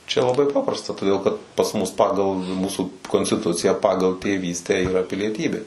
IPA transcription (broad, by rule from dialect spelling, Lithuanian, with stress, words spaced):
t͡ʃʲɛ lˠɐˈbɐɪ ˈpɑːprɐstɐ toːˈdʲeːlˠ kɐt pɐs ˈmʊs ˈpɑːɡɐlˠ ˈmuːsʊ koːnʲsʲtʲɪˈtʊt͡sʲɪjæː ˈpɑːɡɐlˠ tʲeːˈʋʲiːsʲtʲæː ɪˈrɐ pʲɪlʲiɛˈtʲiːbʲeː